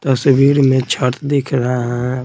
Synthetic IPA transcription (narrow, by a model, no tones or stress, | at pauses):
t̪ɐswiːɾmẽt͡ʃʰəɾt̪d̪ekʰɾaɦaɦɛ̃